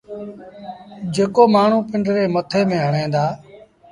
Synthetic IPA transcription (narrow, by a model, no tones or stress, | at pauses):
d͡ʒeːkoːmaːɳ̤ũːpɪɳɖɾeːmət̪ʰeːmẽːɦəɳẽːd̪aː